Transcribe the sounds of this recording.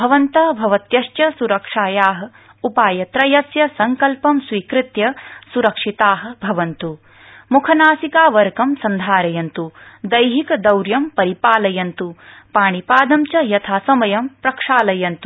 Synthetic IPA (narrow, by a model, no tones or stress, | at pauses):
bʱɐʋɐnt̪ɐbʱɐʋɐt̪jɐʃtjɐsuɾɐkʂaːjaːɦɐ̆ | upaːjɐt̪ɾɐjɐsjɐsɐŋkɐlpɐmsʋiːkɾɪt̪jɐsuɾɐkʂit̪aːɦɐ̆bʱɐʋɐnt̪u | mukʰɐnaːsikaːʋɐɾkɐmsɐnd̪ʱaːɾɐjɐnt̪ud̪ɐjɦikɐd̪ɐwɾjɐmpɐɾipaːlɐjɐnt̪upaːɳipaːd̪ɐmt͡ʃɐjɐt̪ʰaːsɐmɐjɐmpɾɐkʂaːlɐjɐnt̪u